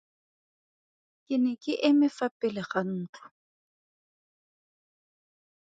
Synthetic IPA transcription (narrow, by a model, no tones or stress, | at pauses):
kʼɪnɛkʼɪʔɪmɪfapʼɪlɪχan̩ːt͡ɬʰʼʊ̥